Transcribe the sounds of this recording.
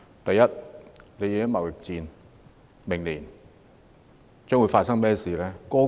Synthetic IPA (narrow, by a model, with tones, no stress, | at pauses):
t̪ɐ˨jːɐ˥t̚le˨˧jiː˨˧kɪ˥ŋmɐ˨wjɪ˨k̚t͡siː˨˧n | mɪ˨˩ŋliː˨˩n | t͡sœː˥ŋwu˨˧faː˧t̚sɐ˥ŋmɛː˥siː˨˩lɛː˥kɔː˥